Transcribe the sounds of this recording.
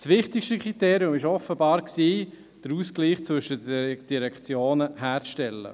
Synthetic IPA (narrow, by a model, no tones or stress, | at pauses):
sʋɪχtɪkʃtəkχiteːɾjʊmɪʃɔfəbɑːɾksiː | d̥əɾuːskliːχt͡svɵʃədd̥iɾɛkt͡sjoːnəɦæːɾt͡sʃtɛlːə̰